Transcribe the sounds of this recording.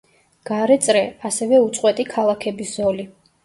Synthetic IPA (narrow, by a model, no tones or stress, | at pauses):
ɡ̥aɾɛt̪sʼɾɛasɛvɛut̪sʼqʼwɛt̪ʼikʰalˠakʰɛbiszɔli